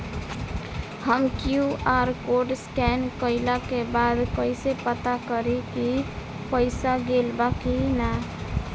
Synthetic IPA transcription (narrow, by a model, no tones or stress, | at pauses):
həmkjuʔaɾkoɖskɛnkəɪlakebad̪kəɪsepət̪akəɾiki | pəɪsaɡelbakina